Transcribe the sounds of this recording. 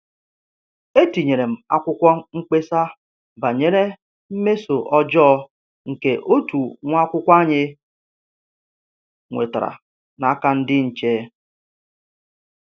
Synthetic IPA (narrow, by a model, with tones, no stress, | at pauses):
e˦ti˨ɲe˨ɾe˨m̩˨a̰˦kʷʊ˦kʷɔ˦ŋ̩˦k͡pe˦sa˦ | ba˨ɲe˦ɾe˦ | m̩˦me˦so˨ʔɔ˦d͡ʒɔː˦ | ŋ̩˨ke˨ʔo˦tu˨ŋʷ˦a˦kʷʊ˦kʷa˦ɲɪ˦ | ŋʷḛ˨ta˨ɾa̰˨ | na˨˦ka˦n̩˦dɪ˦n̩˨t͡ʃeː˦